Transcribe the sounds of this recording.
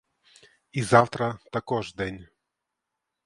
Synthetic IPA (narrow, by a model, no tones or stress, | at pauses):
izaft̪ɾət̪ɐkɔʐd̪enʲ